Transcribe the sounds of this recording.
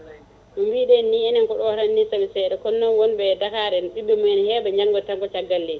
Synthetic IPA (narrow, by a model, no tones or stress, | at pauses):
mumbiɗɛnːiɛnɛnkɔɗɔhɾanːisabɛsɛɗɛkɔnːɔnwɔnbɛdakaɾɛnɗibɛmujɛnhɛbaɲd͡ʒaŋɡɔtaŋɡɔt͡ʃaɡːalːɛ